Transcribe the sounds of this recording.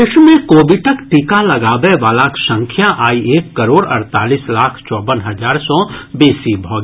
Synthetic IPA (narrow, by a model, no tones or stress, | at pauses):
ɪʃmẽkoːbɪʈəkʈikalɐɡaːʋeʋaːlaːkʰʃə̃ŋkʰjaʔaːieːkːɐɾoːɽɐ̰ɾt̪aːliːslaːkʰt͡ʃɔːbənɦɐzaːɾsɔːbeːsibʱɔːɡi